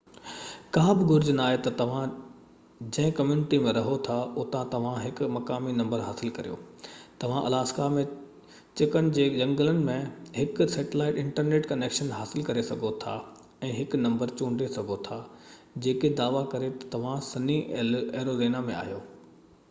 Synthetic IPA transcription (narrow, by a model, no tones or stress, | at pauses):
kaːbɪɡʊɾd͡ʑnaːɦet̪ɐt̪ɐʋ̤ã | d͡ʑɐ̃ɦɪ̃kɐmjuːnɪʈimẽɾɐɦot̪ʰaʊt̪ãt̪ɐʋ̤ãɦɪkʊmɐkaːminɐ̃mbəɾɦaːsɪlkɐɾijo̰ːt̪ɐʋ̤ãʔɐ̰laːskamẽ | t͡ɕɪkənɪ̆d͡ʑeːd͡ʑɐ̃ŋɡələnɪ̆mẽɦɪkseːʈɪlaːɪʈɪ̃ɳʈəɾneːʈkɐneːkʃənɦaːsɪlkɐɾesɐɡʱot̪ʰa̰ | ɛ̃ːɦɪknɐ̃mbəɾt͡ɕũːɳɖesɐɡʱot̪ʰa | d͡ʑeːked̪aːʋakɐɾet̪ɐ̥t̪ɐʋ̤ãsɐnieːɾozeːnamẽa̰ːɦijoː